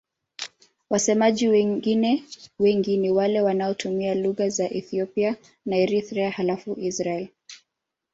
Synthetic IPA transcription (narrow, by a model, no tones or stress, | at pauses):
wasɛmaʄiwɛɡinɛwɛŋɡiniwalɛwanaɔtʰumialuɣazaʔɛθiɔpia | naɛɾiθɾɛahalafuʔisɾaɛl